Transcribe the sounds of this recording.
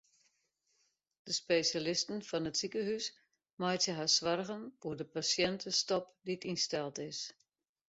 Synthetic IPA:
d̥əspesjalɪstənfɔnətsikəhys | majtsɪɦasʋarɣənfuərdəpasjɛntʰəstɔpditinstɛlˠtɪs

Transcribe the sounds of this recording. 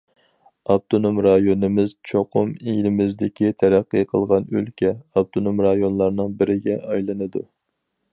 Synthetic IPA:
ɑb̚t̪ʰonomɾɑjonɨmɪzt͡ʃʰoqʊmilɪmɪzd̪ɪkʲit̪ʰɛɾæqːəqʰəlˠʁɑnø̰lkʲʰɛɑb̚t̪ʰonomɾɑjonlˠɑɾnɨŋbɪɾɪɡʲɛʔɑjlˠɨnɨd̪u

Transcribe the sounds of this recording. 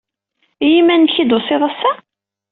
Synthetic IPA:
jimːænːçid̪osɪðˤɑsːæ

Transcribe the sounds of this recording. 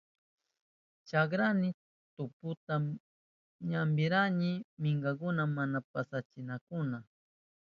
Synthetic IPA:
t͡ʃak̬ɾanɪ | t̪ʊpʊt̪a | ɲambɪɾanɪmɪŋɡakʊnamanapasat͡ʃɪnakʊna

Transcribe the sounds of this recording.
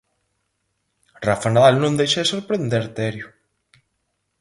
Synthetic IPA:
rafanaðalnõnd̪ejʃesoɾpɾend̪eɾt̪ɛɾjʊ

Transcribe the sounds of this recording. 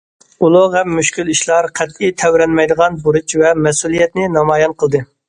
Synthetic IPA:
ulˠuʁɛmːyʃkʲyliʃlˠɑɾqʰɛt̪it̪ʰɛwɾɛnmɛjd̪əʁɑnbuɾut͡ʃvɛmɛsulˠijɛt̪nɪnɑmɑjɑnqʰəlˠd̪ɨ

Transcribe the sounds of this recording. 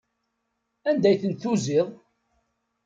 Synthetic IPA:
ænd̪æjθənt̪θuziðˤ

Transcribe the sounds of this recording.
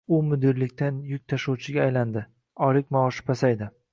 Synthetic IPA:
ʊmʊd̪ɪɾlɪkʲt̪ʰanjʊk̚ʲt̪ʰaʃowt͡ʃʰɪɡʲaːjland̪ɪ | ɒɾɪkʲmaɒʃɪ̥pʰasajd̪ɪ

